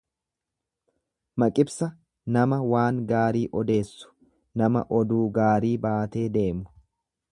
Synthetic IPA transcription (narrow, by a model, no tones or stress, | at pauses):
mɐkʼɪbsɐ | nɐmɐwaːŋɡaːɾiːʔɔd̪e̞ːsːʊ̥ | nɐmɐ̰ʔɔd̪uːɡaːɾiːbaːt̪e̞ːd̪e̞ːmʊ̥